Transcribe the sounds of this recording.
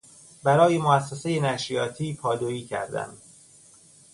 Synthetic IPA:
bæɾɒːjemoæsːese̞jenæʃijɒːt̪ʰiːpʰɒːd̪oiːcʰæ̰ɾd̪æ̰m

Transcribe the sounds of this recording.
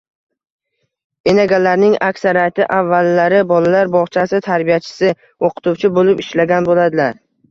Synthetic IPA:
enaɡʲalːaɾnɪŋakʲsaɾijat̪ɪʔavːalːaɾɪbɒlalaɾbɒʁt͡ʃʰasɪt̪ʰaɾbijat͡ʃʰɪ̥sɪ | oqʰɨ̥t̪uwt͡ʃʰɪbolɪpɪʃlaɡʲanbolad̪ɪlaɾ

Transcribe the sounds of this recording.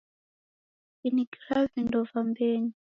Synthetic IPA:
iniɡiɾavindɔvambɛɲi

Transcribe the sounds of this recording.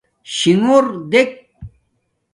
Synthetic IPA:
ɕiŋuɾd̪ek̚

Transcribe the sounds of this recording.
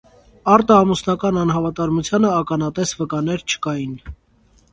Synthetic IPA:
ɑɾt̪ɑːmusnɑkɑnɑnɦɑvɑt̪ɑɾmut͡sʰjɑnəɑkɑnɑt̪ɛsvəkɑnɛɾt͡ʃʰə̥kɑjin

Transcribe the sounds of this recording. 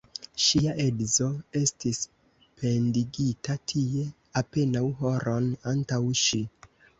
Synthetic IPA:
ʃiaʔedzo̞e̞stis | pʰe̞ndiɡitatʰie̞ | ape̞nawɦo̞ɾo̞nantawʃi

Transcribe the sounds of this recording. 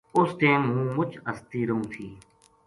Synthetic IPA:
ʊst̪ẽːɦũːmʊt͡ʃəst̪iːɾəũːt̪ʰiː

